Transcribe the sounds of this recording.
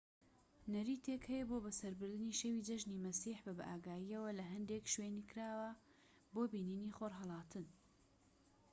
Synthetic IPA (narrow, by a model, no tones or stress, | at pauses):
nɐɾiːt̪ʰeːkhɛjɐbobɐsɐɾbɨɾd̪ɨniːʃewid͡ʒɐʒnimɐsiːħbɐbɐʔaːɡaːjiɐwɐlɐɦɐnd̪ekʃweːnikɨɾaːwɐ | boːbiːniniːχoːɾɦɐlˠɑːt̪ʰɨn